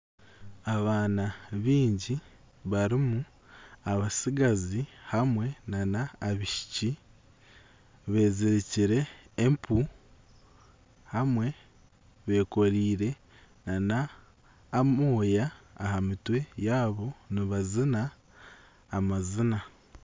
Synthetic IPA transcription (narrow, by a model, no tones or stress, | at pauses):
aβaːnaβiːɲɟi | βaɾimu | aβasiɡazihamwe̞nanaːβiʃi̥ci | βe̞ːziɾiciɾe̞ːmpʰu | hamwe̞ | βe̞ːko̞ɾiːɾe̞ | nanaː | moːjaːhamitwe̞jaːβo̞niβazinaː | mazina